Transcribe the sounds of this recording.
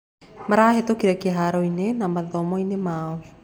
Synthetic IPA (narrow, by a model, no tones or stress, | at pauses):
maɾaaɦetokiɾakiaɦaɾoinenamaðomoinemaːo